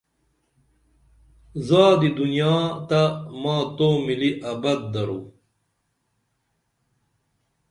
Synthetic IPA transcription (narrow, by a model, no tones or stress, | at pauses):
zaːd̪id̪unijaːt̪amãːt̪oːmiliʔɐbɐd̪̚ːɐɾu